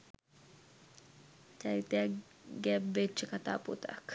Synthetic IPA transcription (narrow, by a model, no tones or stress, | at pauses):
t͡ʃaɾit̪ea | ɡɛbːet͡ʃːekat̪a̰ːpṵt̪a̰k